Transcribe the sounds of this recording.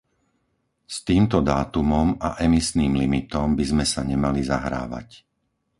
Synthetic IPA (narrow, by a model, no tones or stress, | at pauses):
st̪iːmt̪ɔd̪aːt̪umɔmaʔɛmisniːmlimit̪ɔmbizmɛsaɲɛmaliza̰ɦɾa̰ːʋa̰c